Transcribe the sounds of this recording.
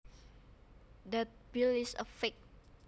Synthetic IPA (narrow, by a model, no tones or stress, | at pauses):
dət̚bilisəfɛk̚